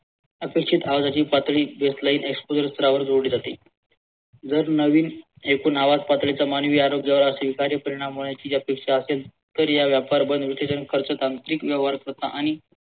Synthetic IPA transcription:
əpekʂit̪aʋd͡zat͡ɕiːpat̪ɭiːbest̪laiːnekspod͡zəɾst̪ʰəɾaʋəɾd͡zʱoɽiːd͡zat̪e | d͡zəɾnəʋiːn | ekuːnaʋat̪pat̪ɭit͡samanʋiːaɾoɡjaʋəɾəseʋikaɾjəpəɾiɽ̃amɦoɭjat͡ɕiːjapekʂaəsel | t̪əɾjaʋjapaɾbənd̪ʋisesənikʰəɾt͡sət̪ant̪ɾiːkʋjəʋaɾk̪ət̪aʔaɽ̃i

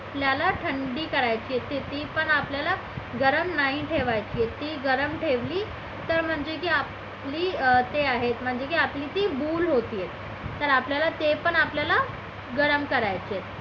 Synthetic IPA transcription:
pljalaʈʰəɳɖiːkəɾajt͡ɕijet̪ːet̪ːiːpəɳapljala | ɡəɾəmnaɦiʈʰeʋajt͡ɕijet̪ːiːɡəɾəmʈʰeʋliː | t̪əɾm̤əɳd͡zekiːap | liːt̪eaɦet̪m̤əɳd͡zekiapliːt̪iːbuːlɦot̪iːjet̪ː | əɾapljalat̪epəɳapljala | ɡəɾəmkəɾajt͡ɕet̪

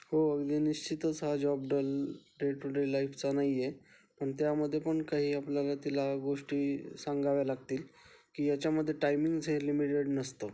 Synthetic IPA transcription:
ɦoəɡd̪iniɕt͡ɕit̪ət͡sɦad͡ʑɔb̚ɖəlɖeʈuɖelaift͡sanaije | pəɳt̪jaməd̪ʱːjepəɳkaɦiːapljalat̪ilaɡoʂʈiːsaŋɡaʋjalaɡ̚t̪iːl | kiːjat͡ɕjaməd̪ʱːjeʈajmiŋɡd͡zʱẽlimiʈeɽnəst̪o

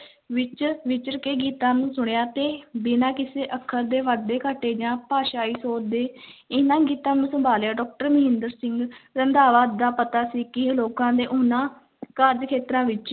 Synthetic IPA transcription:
ʋɪt͡ʃʋɪt͡ʃəɾkeːɡiːt̪ãːnũːsʊɳjaːt̪eːbɪnãːkɪseːʔəkʰːəɾd̪eːʋaɖ̪eːkəʈːeːd͡ʒãːpaːʃaːiːsoːɾd̪eːɪnãːɡiːt̪ãːnũːsəmbaːljaːɖɔːk̚ʈəɾməɦɪ̃nd̪əɾsɪ̃ŋɡɾənd̪aːʋaːt̪̚d̪aːpət̪aːsiːkɪloːkãːd̪eːʔʊnãː | kəɾd͡ʒkʰeːt̪ɾãːʋɪt͡ʃ

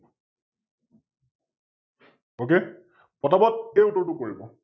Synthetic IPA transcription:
oke | pɔtabɔt̚ejutɔɹtʊkoɹibɔ

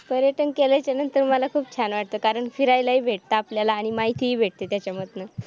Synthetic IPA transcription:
pəɾjəʈənkelajt͡ɕjanənt̪əɾməlakʰuːpt͡ɕʰanʋaʈ̚t̪okaɾəɳfiɾajlaɦiːbʱeʈ̚t̪aːpljalaːɽ̃imaɦit̪ʰiɦiːbʱeʈ̚t̪et̪jat͡ɕjamət̪nə

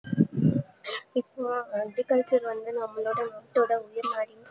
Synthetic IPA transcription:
ɪpːoɐɡɾikɐɻt͡ʃɐɾʋɐnd̪ɯnɐmːɐɭoːɽɐnoːʈːoːɽɐʊjɪɾnaːɽɪn

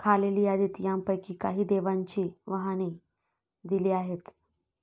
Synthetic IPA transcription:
kʰaleliːad̪iːt̪jãmpəjkiːkaɦiːd̪eʋaɲt͡ɕiːʋaɦaniː | d̪iliːaɦet̪

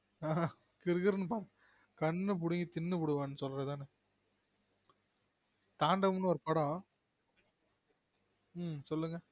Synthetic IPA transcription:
aː | kɪɾɣɪɾnɯp̬aːɾɯ | kɐnːɯp̬ʊɽɯŋɡit̪ɪnːɯpʊɽɯʋãːnːɯsɔlɾɐt̪aːnɯ | t̪aːɳɖɐmʊnːɯɔɾɯpɐɽɔ̃ː | msɔlːɯŋɡɐ

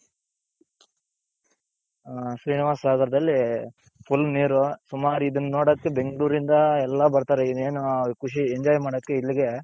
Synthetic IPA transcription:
sɾiːniʋaːsːaːɡ̪ɐɾɐd̪ɐlːi | pʰulːniːɾusumaːɾuid̪ɐnːɐnoːɽokːebe̞ŋɡɐɭuːɾind̪ɐɛlːɐbɐɾt̪aːɾeid̪eːnukuʂ̬ieɲd͡ʒaːjmaːɽokːeilːiɡe̞

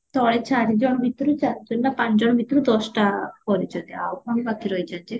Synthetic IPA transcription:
t̪ɔɭet͡ʃaɾid͡ʒɔɽ̃bʱit̪ːɔɾut͡ʃaɾd͡ʒɔnːapãt͡ʃd͡ʒɔɽ̃bʱit̪ɔɾud̪ɔsʈapɔɾit͡ʃʰɔt̪iawkɔŋbakiɾɔjt͡ʃʰant͡ʃe

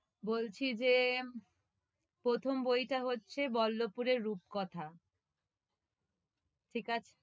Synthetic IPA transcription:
bolt͡ɕʰid͡ʑe | pɾot̪ʰombojʈaɦotːɕʰebɔlːopuɾeɾːup̚kɔt̪ʰa | ʈʰikat͡ɕʰe̥

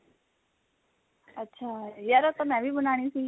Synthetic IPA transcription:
ətːɕʰajaɾat̪ɔmɛʋibunaɽ̃ĩsĩ

